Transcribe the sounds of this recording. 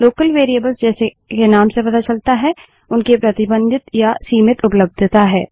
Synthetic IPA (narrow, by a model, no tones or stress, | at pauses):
loːkəlʋeːɾiəbəlzd͡ʒɛːse | kenaːmsepɐt̪at͡ʃɐlt̪aɦɛ | ʊnkepɾɐt̪ɪbə̃nd̪ɪt̪jasiːmɪt̪ʊpləb̚d̪ʱt̪aɦɛ̰ː